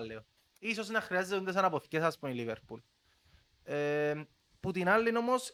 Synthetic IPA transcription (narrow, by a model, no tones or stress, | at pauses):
lːeo | iso̞snɐxɾiɐzːet̪und̪es̬ɐnɐpoθicesɐspuniliveɾpul | e | put̪inɐlːino̞mos